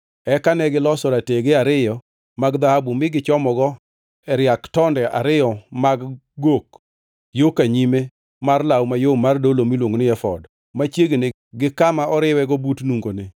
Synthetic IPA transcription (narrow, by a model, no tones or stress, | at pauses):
ɛkanɛɡɪlɔsɔɾateɡɪaɾɪjɔ | maɡd̪ahabumɪɡɪt͡ʃɔmɔɡɔ | ɛɾjaktɔndɛʔa̰ɾɪjɔmaɡ | ɡok | jokaɲime | marlawmajomardolomilwoŋnɪɛfɔd | mat͡ʃjeɡenɪ | ɡɪkamaʔɔɾɪwɛɡɔbutnuŋɡonɪ